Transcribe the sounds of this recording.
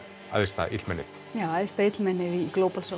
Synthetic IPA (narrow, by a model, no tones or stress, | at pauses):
a̰ðɪst̪a̰ʔɪ̰t̪lmɛnːɪθ | jawaðɪst̪ait̪lmɛnːɪðiklowpalso